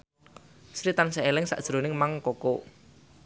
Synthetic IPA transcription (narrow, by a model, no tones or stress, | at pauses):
sɾit̪anseelɪŋsa̰ʔd̥ʒ̥ɾonɪŋmaŋkoko